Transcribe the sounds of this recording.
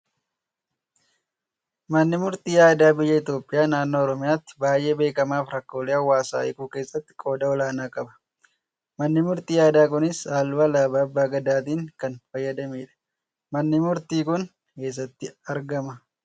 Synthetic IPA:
mɐnːɪmʊɾt̪iːjaːd̪aːbɪjːɐɪt̪jo̞ːpʼːɪjaːnaːnːoːɔɾɔmɪjaːt̪ːɪ̥baːjʔe̞ːbe̞ːkɐmaːfɾɐkːoːleːɐwːaːsa̰ːʔɪkuːke̞ːsːɐt̪ːɪ̥kʼo̞ːd̪ɐɔlaːnaːkʼɐbɐ̥ | mɐnːɪmʊɾt̪iːjaːd̪aːkʊnɪsaːlʊɐlaːbaːɐbːaːɡɐd̪aːt̪̬iːŋkɐnfɐjːɐd̪ɐmeːᶑɐ̥ | mɐnːɪmʊɾt̪iːkʊn | ke̞ːs̬ːɐt̪ːɪɐɾɡɐmɐ

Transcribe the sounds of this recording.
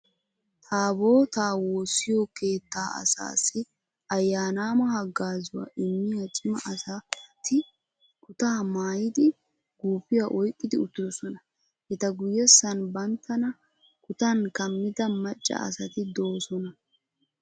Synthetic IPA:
t̪ʰaːbo̞ːt̪aːwoːsːɪjokeːt̪ːaːɐ̰sa̰ːsɪ | ɐjːaːnaːmɐhɐɡaːzʊwa̰ːʔɪmːɪjɐt͡ʃʼɪmɐʔɐsɐt̪ɪ | kʊt̪aːmaːjɪd̪ɪ | ɡuːfɪjaʔɔjkʼːɪd̪ɪʊt̪ːɪd̪ɔsɔnɐ | hɛt̪ɐɡʊjːɛsːɐnbɐnt̪ʰːɐnɐ | kʊt̪ɐnkɐmːɪd̪ɐmɐt͡ʃʼːɐ̰ɐ̰sɐt̪ɪd̪o̞ːsɔnɐ

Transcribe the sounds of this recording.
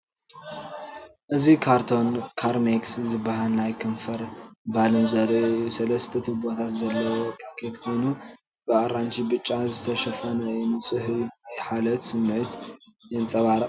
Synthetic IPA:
ʔɨzikʰaɾt̪ʰo̞nkʰaɾmekszɨbːahalnajkʰɨnfɐɾbalɨmzɐɾsɐlɐst̪ʰɐt̪ʰɨbot̪ʰat̪zɐlːɐwokʰʼakʰet̪kʰo̞jnu | b̥ɨʔaɾant͡ʃʰibɨt͡ʃʼːazɨt̪ʰɐʃɐfɐnɐjnɨt͡sʼɨhɨajħalɐt̪sɨmːʕɨt̪jɛnt͡sʼɐβaɾɐ

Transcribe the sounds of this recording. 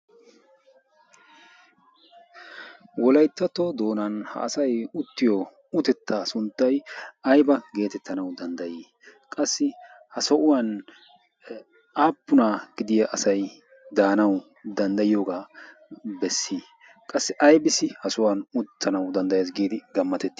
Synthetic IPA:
wɔlɐjt̪ːɐt̪ːod̪o̞ːnɐnhɐ̰ːsɐjʊt̪ːɪjo | ʊt̪ɛt̪ːasʊnt̪ːɐjɐjbɐɡe̞ːt̪ɛt̪ːɐnɐwd̪ɐnd̪ɐjiː | kʼɐsːɪ | hɐsɔʔʊwɐn | aːpːʊnaɡ̥ɪd̪ɪjɐʔɐsɐj | d̪aːnɐw | d̪ɐnd̪ɐjɪjoːɡaː | bɛsːi | kʼɐsːɪʔɐjbɪsɪhɐsʊwɐnʊt̪ʰːɐnɐwd̪ɐnd̪ɐjeːs̬ɡiːd̪ɪɡɐmːɐt̪ɛt̪ːɪ̥

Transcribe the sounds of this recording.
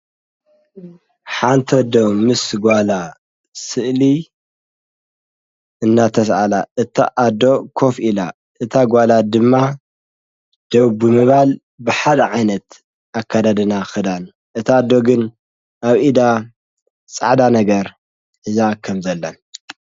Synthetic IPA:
ħant̪ʰɐd̪omɨsɡʷala | sɨʔli | ɨnːat̪ʰɐsʔalaɨt̪ʰa̰ʔad̪o̞kʰo̞fila | ʔɨt̪ʰaɡʷalad̪ɨmːa | d̪̥oβbɨmɨβal | bɨħad̪ɐʕajnɐt̪ | akʰːad̪ad̪ɨnaxɨd̪an | ʔɨt̪ʰaːd̪ːo̞ɡɨn | ʔaβʔid̪a | t͡sʼa̰ʕd̪anɐɡɐɾ | ʔɨzakʰɐmzɐlːɐn

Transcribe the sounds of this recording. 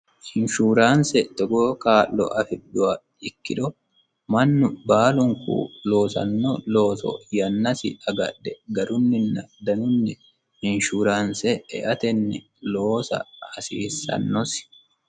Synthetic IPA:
hɪnʃuːɾaːnsɛt̪ɔɡoːkaːlːɔ̰ʔɐfɪɗːʊwɐ | ɪkːɪᶑ̪ɔ | mɐnːʊbaːlʊŋkṵːlo̞ːsɐ̰nːɔlo̞ːsɔ̰jɐnːɐsɪ̰ʔɐɡɐ̰ᶑɛɡɐɾʊnːɪnːɐd̪ɐnʊnːɪ | ɪnʃuːɾaːnsɛɛ̰ʔɐt̪ɛnːɪ | lo̞ːsɐ̰ɐsiːsːɐ̰nːɔsɪ̥

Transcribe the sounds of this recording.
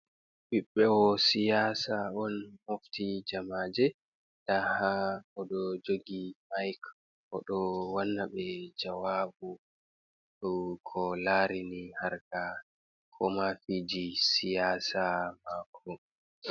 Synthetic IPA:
biɓːɛɔsijaːsaɔnhoftid͡ʒamaːd͡ʒɛ | dahaɔɗɔd͡ʒoɡimajk | ʔɔɗɔwanːaɓɛd͡ʒawabu | ɗɔkʰɔlaːɾinihaɾka | kʰɔmafid͡ʒisijaːsamakʰːɔ

